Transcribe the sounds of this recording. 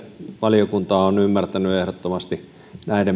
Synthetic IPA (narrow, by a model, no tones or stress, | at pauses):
ʋɑlijokunt̪ɑːonymːært̪ænyehɾot̪ːomɑst̪i | næiɾem